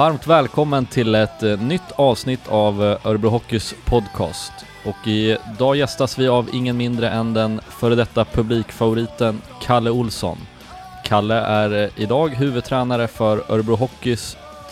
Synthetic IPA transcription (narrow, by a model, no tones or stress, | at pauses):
vaɾmt̪vɛːlkʰɔmːənt̪ʰɪlɛt̪nʏt̪ʰːɑːvsnɪt̪ʰːavʔœɾbɾʊɦɔkːɪspʰɔd̪kʰɑ̰ːst̪ | ɔkɪd̪ɑːjɛst̪asvɪavɪ̰ŋːənmɪnd̪ɾəʔɛnd̪ɛnfœːɾd̪ɛt̪ːapʰɵbliːkfavʊɾiːt̪ənkʰalːəʊlsɔ̰n | kʰalːəʔæɾɪd̪ɑːɡɦʉ̟ːvɵd̪̚t̪ʰɾɛːnaɾəfœɾœɾbɾʊɦɔkːɪs